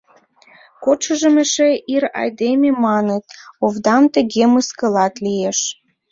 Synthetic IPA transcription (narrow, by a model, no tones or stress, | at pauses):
koʃəʒə̆meʃeʔiɾɑ̰jd̪ememɑnə̆t̪̚ovd̪ɑmt̪ə̆ɣeməskə̆lɑt̪lieʃ